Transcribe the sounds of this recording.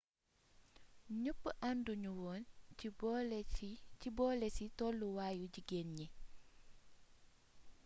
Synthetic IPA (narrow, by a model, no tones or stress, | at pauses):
ɲupːəʔanduɲuwɔːnb | cibɔːlɛsitɔlːuwaːjuɟiɡenɲɛ